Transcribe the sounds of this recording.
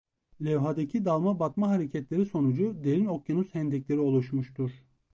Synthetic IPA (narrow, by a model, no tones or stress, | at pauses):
lʲɛvɦad̪acʰid̪alˠmabat̪maɦaɾecʰɛt̪lʲeɾiso̞nud͡ʒud̪eɾino̞kjanuzhɛnd̪ɛcʲlʲe̞ɾio̞lˠuʃmuʃt̪ʰuɾ̥